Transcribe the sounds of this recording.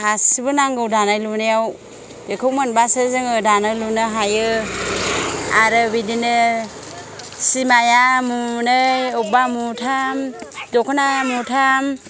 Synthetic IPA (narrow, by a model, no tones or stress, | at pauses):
asbɯnaŋɡɯwdanajlunɯjaw | b̥ekʰɯwmɯnbasɯzɯŋɯdanɯlunɯɦajɯ | aɾɯbidinɯ | simajamunɯjɔbamutʰamdɔkʰɯnamutʰam